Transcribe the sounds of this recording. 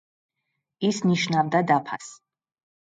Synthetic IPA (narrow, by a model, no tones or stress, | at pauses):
isniʃnavd̪ad̪apʰa̰s